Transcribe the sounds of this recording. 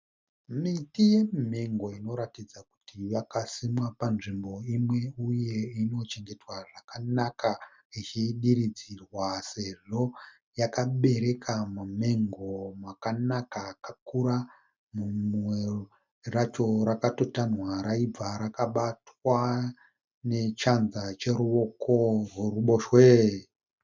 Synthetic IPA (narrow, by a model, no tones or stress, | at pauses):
mitije̞mme̞ŋɡo̞ino̞ɾatid͡zaku̥tʰiʋakasimwapanʐimbo̞imwe̞uje̞ino̞t͡ʃe̞ŋɡe̞twaʐakanaka | it͡ʃiɗiɾid͡zirwase̞ʐo̞ | jakaɓe̞ɾe̞kʰamame̞ŋɡomwakanakakakuɾa | mumwe | rat͡ʃo̞ɾakato̞tanwaɾaib͡vaɾakaɓatwa | ne̞t͡ʃanzat͡ʃe̞ɾuo̞korweruɓo̞ʃwe